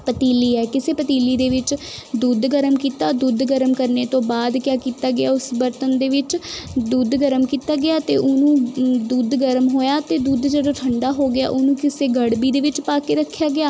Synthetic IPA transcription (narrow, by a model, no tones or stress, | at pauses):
pət̪iːliːɛːkɪseːpət̪iːliːd̪eːʋɪt͡ʃd̪uːd̪ɡəɾəmkiːt̪aːd̪uːd̪ɡəɾəmkəɾneːt̪õːbaːd̪kjaːkiːt̪aːɡɪaːʊsbəɾt̪ənd̪eːʋɪt͡ʃd̪uːd̪ɡəɾəmkiːt̪aːɡɪjaːt̪eːʔʊnũːd̪uːd̪ɡəɾəmɦoːjaːt̪eːd̪uːd̪d͡ʒeɽoʈʰəɳɖaːɦoːɡɪja̰ːʔonũːkɪseːɡəɽbiːd̪eːʋɪt͡ʃpaːkeːɾəkʰːjaːɡɪjaː